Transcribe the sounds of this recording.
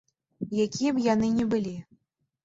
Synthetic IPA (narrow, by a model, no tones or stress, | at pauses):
jakʲijɛbjanɨnʲɛbɨlʲi